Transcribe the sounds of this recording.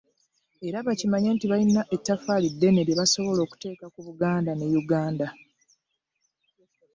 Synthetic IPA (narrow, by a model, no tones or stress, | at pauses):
e̞ɾaβacimaɲeːntiβainːaʔetːafalidːe̞ne̞ɾjeβaso̞βo̞lo̞ːku̥te̞ːkakuβuɡaːndanejuɡaːnda